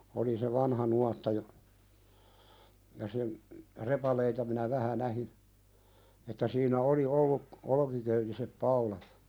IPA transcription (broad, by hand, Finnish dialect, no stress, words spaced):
oli se ʋɑnhɑ nuɑtːɑ jɑ jɑ sen repɑleitɑ minæ ʋæhæ næhin etːæ siːnæ oli olːuk olŏkikøytisep pɑulɑt